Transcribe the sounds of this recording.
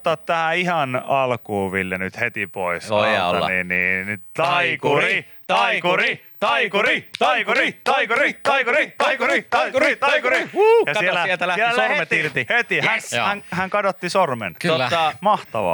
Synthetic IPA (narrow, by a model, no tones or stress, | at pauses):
t̪ːˑɑt̪t̪æhæihɑnɑlkuːʋilːenyt̪het̪ipo̰isɑ̰niːnniːnt̪ɑikuri | t̪ɑkuri | t̪ɑikurit̪ɑkuit̪ɑikurit̪ɑikuɾit̪ɑikuit̪ɑkuit̪ɑikuɾiujɑielːæt̪æleormet̪irt̪ihet̪ihænhæŋhæŋkɑdot̪ːisormḛnkoɑmɑht̪ɑʋɑ̰ː